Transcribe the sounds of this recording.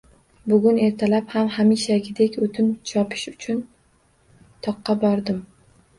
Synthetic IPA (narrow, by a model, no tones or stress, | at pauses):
bʊɡʲʊne̞ɾt̪ʰalaphamhamiʃaɡʲɪd̪e̞kʲot̪ʰɪnt͡ʃʰɒpʰɪ̥ʃʊt͡ʃʰʊn | t̪ʰɒqːɑbɒɾd̪ɪm